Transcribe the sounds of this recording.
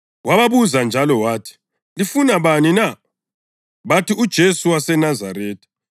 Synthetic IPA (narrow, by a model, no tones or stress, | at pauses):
waβaβuzand͡ʒʱalɔwaːtʰi̥ | lifunaβanina | βatiud̥ʒ̥ʱesuwasɛnazaɾeːtʰi̥